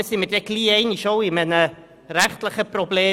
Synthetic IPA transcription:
simədɛkliːejniʃowimɛnə | ɾæχtləχəprobleː

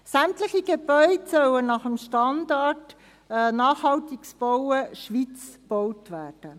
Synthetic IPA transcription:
sæmtləχiɡ̥eb̥œʏdsœwənɑχəmʃtɑndɑtː | nɑːχhɑltiksb̥ɔwəʃʋit͡sb̥ɔwtʋæːrd̥ə

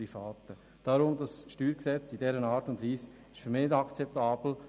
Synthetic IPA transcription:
ifaːt̪ə | d̥aɾʊmdɑsʃtyːɾksɛt͡sidɛɾənɑːɾtʊndʋiːs | ɪʃfyɾmɪnɪdɑkt͡sɛp̚t̪aːb̥l̩

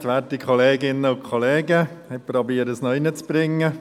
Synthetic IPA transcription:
t̪ʋæːtikʰχɔleːɡɪnːəʊkʰɔleːɡə | hɛɪpɾɔbiːəɾəsnɔɪnət͡sb̥ɾɪŋːə

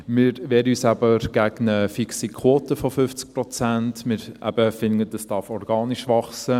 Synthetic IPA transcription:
mɪɾʋɛːɾəyːsæbəɾɡ̥æɡnəfiksikʰwoːtəfofʏft͡sk̚pɾɔt͡sæntmɪɾæ̰b̥əfɪnədəsd̥ɑɾfɔɾɡɑːnɪʃʋɑχsə

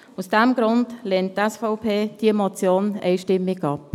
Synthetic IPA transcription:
usd̥ɛmɡɾʊndlɛːnttːɛsfɔʊpʰeːd̥iəmɔt͡sjoːnɛɪʃtɪmɪɡɑp

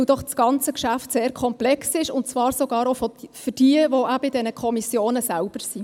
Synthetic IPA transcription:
d̥ɔχsɡ̥ɑnt͡səkʃæftseːɾkʰɔmplɛksɪʃʊntt͡svɑːɾsɔɡɑːɾɔfɔfʏd̥iəvoʔæbɪdɛnəkʰɔmisjoːnəsælb̥əɾsi

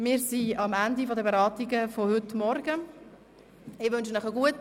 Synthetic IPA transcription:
mɪːɾsiɑmænd̪ifɔdəbeɾɑːtiɡəfohʏtmɔɾɡə | ɪʋɵnʃnəχəɡuət

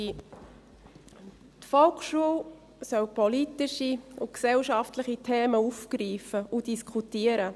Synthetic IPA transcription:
i | t̪fɔlkχʃuəw | sœwpʰɔlitiʃiʊksɛwʃɑftləχitʰeːməufkɾiːfəudiskʰutiəɾə

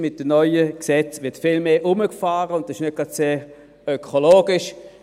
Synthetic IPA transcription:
mɪt̚d̥ənɔʏəksɛt͡sʋɪɐtfɪlmeːʔʊməkfaːʁəʊntdɑsɪʃnɛɡ̥ʁɑdseː | økʰoloːɡ̥ɪʃ

